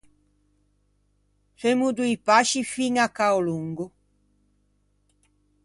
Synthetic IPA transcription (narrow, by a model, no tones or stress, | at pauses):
semud̪uipaʃifiŋakːaoluŋɡʊ